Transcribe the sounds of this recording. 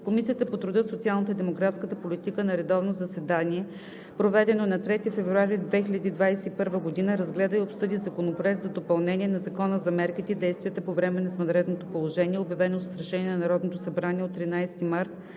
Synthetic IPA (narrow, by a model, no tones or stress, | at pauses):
komisijət̪əpot̪ɾʊd̪əsot̪sialˠnət̪əid̪ɛmoɡɾafskət̪əpolit̪ikənɐɾɛd̪ɔvnozɐsɛd̪aniɛ | pɾovɛd̪ɛnonɐt̪ɾɛt̪ifɛvɾuaɾid̪vɛxilʎʲɐd̪iːd̪vajsɛipɤɾvəɡod̪inəɾɐzɡlɛd̪əiopsɤd̪izɐkonopɾoɛk̚t̪zɐd̪opɐlˠnɛniɛnɐzɐkɔnəzɐmɛɾkit̪ɛd̪ɛjst̪viət̪ɛpovɾɛmɛnɐsmɐnɾɛd̪not̪opolˠoʒɛnʲiɛobjɐvɛnosə̥sɾɐʃɛniɛnɐnɐɾɔd̪not̪osɐbɾaniɛot̪ːɾinajsɛ̥t̪imaɾt̪̚